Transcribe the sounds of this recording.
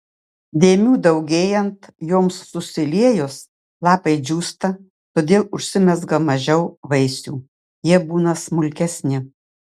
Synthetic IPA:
d̪ʲeːmʲuːd̪ɐʊɡʲeːjɛnt̪joːmsːʊsʲɪlʲiɛjʊs | lˠɑːpɐɪd͡ʒʲuːst̪ɐ | t̪oːd̪ʲeːlˠʊʃʲsʲɪmʲɛzɡɐmɐʒʲɛʊʋɐɪsʲuː | jiɛbuːnɐsmʊlʲkʲɛsʲnʲɪ

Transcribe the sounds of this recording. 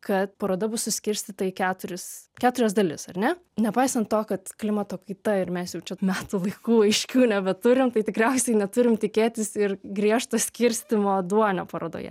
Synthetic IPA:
kɐt̪̚pɐɾoːd̪ɐbʊsʊsʲkʲɪɾʲsʲt̪ʲiːt̪ɐɪkʲæːt̪ʊɾʲɪskʲæːt̪ʊɾʲɛzd̪ɐlʲɪsɐrʲnʲɛ | nʲɛpɐɪsɐnt̪toːkɐt̪klʲɪmɐt̪oːkɐɪt̪ɐɪɾmʲɛsjɛʊt͡ʃʲɛmʲæːt̪ʊlˠɐɪkuːɐɪʃʲkʲuːnʲɛbʲɛt̪ʊɾʲɪmt̪ɐɪt̪ʲɪkɾʲɛʊsʲɛɪnʲɛt̪ʊɾʲɪmt̪ʲɪkʲeːt̪ʲɪsɪrɡɾʲiɛʃt̪ɐsʲkʲɪɾʲsʲt̪ʲɪmoːd̪uɔnʲo̰ːpɐɾoːd̪o̰ːjɛ̰

